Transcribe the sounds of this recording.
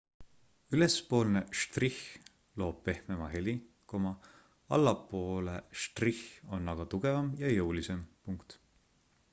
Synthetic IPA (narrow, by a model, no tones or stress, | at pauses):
yle̞spo̞ːlneʃt̪rih | lo̞ːb̥̚pe̞hmemɑɦeli | ko̞mɑ | ɑ̰lːɑpːo̞ːleʃt̪riho̞nːɑɡ̥ɑt̪uɡ̥e̞vɑmjɑjɤwlise̞mpuŋkt̪